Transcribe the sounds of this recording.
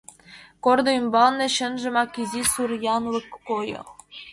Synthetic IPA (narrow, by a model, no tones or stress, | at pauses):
kord̪ŏymbɑnːɘ̆ɕɘ̆nʒɘ̆mɑkizʲisurjɑnwɘ̆kkːojɤ̰